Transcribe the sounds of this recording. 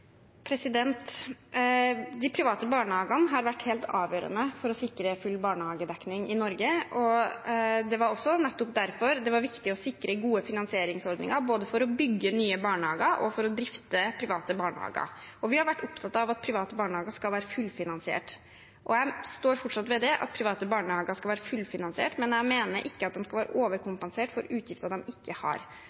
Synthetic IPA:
pʰɾɛsɪd̪ɛnt̪ | d̪ɪpʰɾɪʋɑːt̪əbɑːɳəɑːɡɑnəɦɑɾʋæʈːheːlt̪ɑ̰ːʋjøːɾə̰nəfɔɾɔsɪkɾəfʉlːbɑːɳəhɑːɡəd̪ɛknɪŋɪnɔɾɡəʔɔ | d̪ɛʋɑɾɔsːɔnɛt̪ːʊp̚d̪æɾfɔɾd̪ɛʋɑɾʋɪkt̪ɪɔsɪkːɾʔəɡuːəfɪnɑnsɪeːɾɪŋsɔɾd̪nɪ̰ŋəɾboːd̪əfɔɾɔbʏɡːənyːəbɑːɳəhɑːɡəɾʔɔ̰fɔɾɔd̪ɾɪft̪əpʰɾɪʋɑːt̪əbɑːɳhɑ̰ːɡɑ̰ɾʔɔʋɪhɑɾʋæʈːʊpt̪ʰɑt̪ːɑɑʋɑt̪̚pʰɾɪʋɑːt̪əbɑːɳəhɑːɡəskɑlʋæːɾəfʉlːfɪnɑnsɪḛːʈ | ʔɔ̰jæɪst̪oːɾfɔʈʂɑt̪ʋɛd̪ɛʔɑ̰t̪̚pʰɾɪʋɑːt̪əbɑːɳəhɑːɡəskɑlʋæːɾəfʉlfɪnɑnsɪḛːʈmɛnjæɪmeːnəɾʔɪkːəɑt̪̚d̪ɛmskɑlʋæːɾʔə̰ʔoːʋəɾkʊmpənseːʈfɔɾʉːt̪ʰjɪft̪əɾd̪ɛmɪkːəhɑ̰ɾ

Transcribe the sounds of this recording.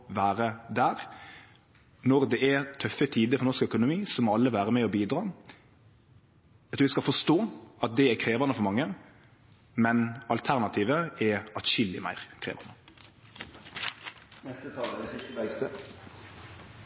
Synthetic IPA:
ʋæːɾəd̪æːʁ | nɔɾd̪ɛæt̪ʰœfət̪ʰiːd̪əfɔɾnɔʂkœkʊnʊmiːsɔmɔɑlːəʋæːɾəmɛɔbiːd̪ɾɑː | ɛt̪ʰuːʋɪskɑlfɔʂt̪oːɑt̪̚d̪ɛækʰɾeːʋɑnəfɔɾmɑŋːə | mɛnɑlt̪ʰæɾnɑt̪ʰiːʋəɛɑt̪ʃɪlːɪmæ̰ɪɾkʰɾḛːʋɑ̰nə | nɛst̪ət̪ʰɑːləd̪ɛsɪt̪əbæɪkt̪ə

